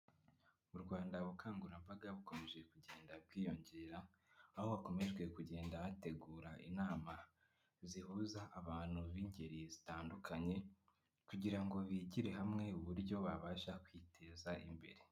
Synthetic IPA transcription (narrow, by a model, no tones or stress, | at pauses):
muɾɡwaːndaβukʰaːŋɡuɾambaɡaβuko̞me̞ʒe̞kuɟe̞ːndabɡiːjo̞ɲɟe̞ːɾaː | ho̞βako̞me̞ʒɡwe̞kuɟe̞ːndaβate̞ɡuːɾaʔḭnaːma | zihuːzaʔːβaːn̥huβiɲɟe̞ɾizitaːndukʰaɲe̞ | kuɟiɾaŋɡo̞βiɟiɾe̞ɦamŋe̞uβuɾɟo̞βaβaːʃakwitʰe̞ːzaʔḭmbe̞̰ɾe̞